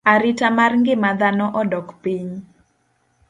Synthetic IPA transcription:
aɾitamarŋɡɪmad̪anɔʔɔdɔkpiɲ

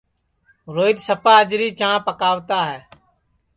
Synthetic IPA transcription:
ɾoːɪd̪səpʰaːd͡ʒɾiːt͡ʃãːpəkaːʋt̪aːɦɛː

